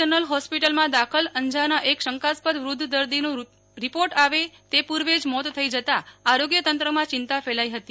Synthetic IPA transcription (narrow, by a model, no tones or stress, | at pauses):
ənəlɦɔspiʈəlmãd̪akʰələɲd͡ʒanaʔekʃəŋkaspəd̪ʋɾud̪ʱːd̪əɾd̪inũ | ɾipoɾʈaʋet̪epuɾʋed͡ʒmɔt̪ʰːəid͡ʒət̪aaɾoɡjət̪ənt̪ɾəmãt͡ʃɪnt̪afelaiɦət̪i